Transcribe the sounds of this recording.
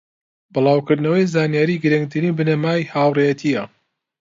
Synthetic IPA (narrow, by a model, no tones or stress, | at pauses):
bɨlˠɑːwkɨɾd̪nɐwɐjzaːnijaːɾiːɡɨɾɨŋɡ̚t̪ʰɨɾiːbɨnɐmaːjhaːwrejɐt̪ʰijɐ